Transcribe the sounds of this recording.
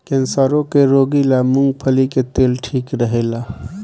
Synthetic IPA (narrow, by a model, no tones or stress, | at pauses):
kẽnsaːɾõkeɾoːɡilamʊ̃ŋɡpʰəliket̪eːlʈʰiːkɾəɦelaː